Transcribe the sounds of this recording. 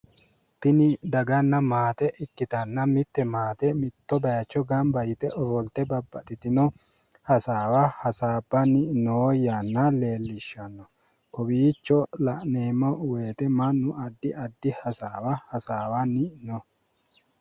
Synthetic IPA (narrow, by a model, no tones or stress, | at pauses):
t̪ɪnɪd̪ɐɡɐnːɐmaːt̪ɛʔɪkːɪt̪ɐnːɐmɪt̪ːɛmaːt̪ɛmɪt̪ːɔbɐjɐt͡ʃːɔɡɐmbɐjɪt̪ɛʔɔfɔlt̪ɛbɐbːɐt̪ɪt̪ɪnɔ | hɐsaːwɐhɐsaːbːɐnɪʔnowjanːɐle̞ːlːɪʃːɐnːɔ | kɔbiːt͡ʃːɔlɐʔneːmːɔwe̞ːt̪ɛmɐnːʊɐd̪ːɪʔɐd̪ːɪhɐsaːwɐhɐsaːwɐnɪʔnɔ